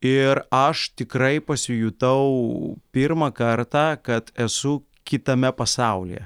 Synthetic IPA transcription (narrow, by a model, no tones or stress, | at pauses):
ɪɾɐʃt̪ʲɪkɾɐɪpɐsʲɪjʊt̪ɐʊpʲɪɾmɐkɐɾt̪ɑːkɐt̪ɛsʊ | kʲɪt̪ɐmʲɛpɐsɑˑʊlʲɪ̰jɛ̰